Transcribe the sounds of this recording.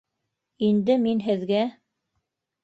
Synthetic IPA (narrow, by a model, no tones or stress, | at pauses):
ind̪ɘminɦɘ̆ðɡæ